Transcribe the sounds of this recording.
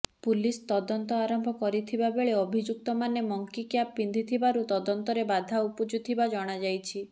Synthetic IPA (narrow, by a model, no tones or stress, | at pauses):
pulist̪ɔd̪ɔnt̪ɔaɾɔmbʱɔkɔɾit̪ʰibabeɭeɔbʱid͡ʒuk̚t̪ɔmanemɔŋkikjapind̪ʱit̪ʰibaɾut̪ɔd̪ɔnt̪ɔɾebad̪ʱaupud͡ʒut̪ʰibad͡ʒɔɽ̃ad͡ʒajt͡ʃʰi